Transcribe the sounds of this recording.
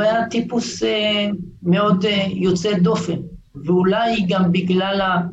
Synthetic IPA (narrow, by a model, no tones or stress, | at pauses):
ajat̪ipusemeod̪jot͡sed̪o̞fen | veulajɡambiɡlala